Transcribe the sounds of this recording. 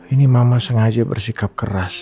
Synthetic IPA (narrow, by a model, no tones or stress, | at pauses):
inimamasəŋad͡ʒabə̰rsikap̚kəras